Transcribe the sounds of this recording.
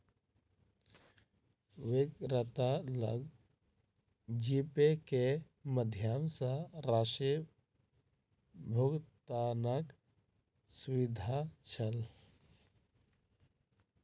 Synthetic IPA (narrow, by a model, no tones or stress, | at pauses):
ʋɪkɾət̪alə̰ɡ | d͡ʒipeke | məd̪ʱjaːmsaɾaʃi | bʱʊɡt̪anək | sʊʋɪd̪ʱat͡ʃʰəl